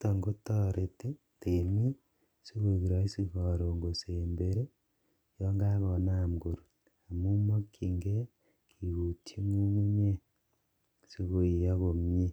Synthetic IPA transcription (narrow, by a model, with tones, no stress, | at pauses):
to˨ŋɡo˦to˦ɾe˨te˦ | temi˦ | si˦ɣo˦i˨βi˨ɾa˨i˦si˦ɣo˨ɾo˨ŋɡo˨seːmbe˨ɾe˦ | jo˦ŋɡa˦ɣo˨na˦˨ŋɡo˨ɾo˨ | a˨mu˦mo˦kʰi˨ŋɡe˦ | kʰi˨ɣu˨tʰi˦ŋu˦mu˦ɲe˦ | si˦ɣo˨i˨ja˦ɣo˨mje˦